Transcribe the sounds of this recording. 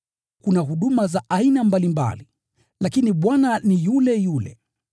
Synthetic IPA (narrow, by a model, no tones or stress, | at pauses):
kunaɦuɗumazaʔainambalimba̰li | lakiniɓwananijulɛjulɛ̰